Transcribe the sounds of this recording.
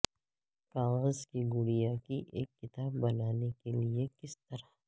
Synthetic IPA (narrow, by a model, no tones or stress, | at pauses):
kaːɣəzkiɡʊɽijakiʔeːkːɪt̪aːbːɐnaːnekeliekɪst̪ɐɾa